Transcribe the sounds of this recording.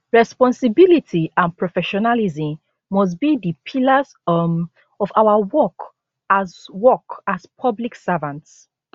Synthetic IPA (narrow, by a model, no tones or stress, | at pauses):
ɹɛspɔ̃nsibilitʰiʔãnpɹɔfɛʃɔnalizĩ | mɔs̬bidipʰilaz | ɔfawawɔk | azwɔkaspʰɔbliksavãnts